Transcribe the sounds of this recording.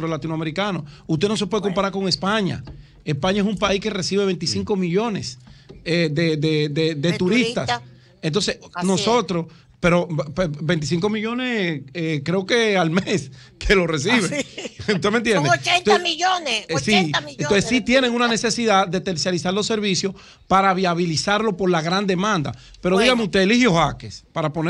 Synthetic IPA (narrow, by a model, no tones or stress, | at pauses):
ɾolat̪inoameɾikanoust̪e̞nos̬epweðeko̞mpaɾaɾko̞ŋe̞spaɲa̰ | espaɲaesumpaiske̞re̞siβe̞βe̞nt̪isiŋko̞miʝone̞sed̪ed̪eded̪et̪uɾist̪as | ent̪o̞nsesno̞so̞t̪ɾos | pe̞ɾo̞pebe̞nt̪isiŋko̞miʝo̞nesekɾeoke̞almes | kʰe̞lo̞re̞siβeust̪ement̪jend̪eionsienosesit̪je̞neŋunane̞se̞siðaðet̪eɾsjalisaɾlo̞sːe̞ɾβisjo̞s | paɾaβiaβilisaɾlo̞po̞ɾlaɣɾand̪e̞mãnd̪a̰ | pe̞ɾo̞ðiɣameust̪elihjohakespaɾapone